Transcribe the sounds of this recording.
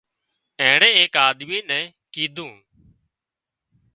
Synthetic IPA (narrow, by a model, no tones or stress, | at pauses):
ɛ̃ːɽẽːeːkaːd̪miːnɛ̃ː | kiːd̪ʱũː